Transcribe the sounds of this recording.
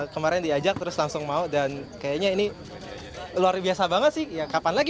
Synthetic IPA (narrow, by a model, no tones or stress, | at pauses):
kəmaɾɛndiad͡ʒak̚t̪əɾʊslaŋsʊŋmaudankajaɲaini | luarbiasabaŋət̪sɪhjakapanlaɡi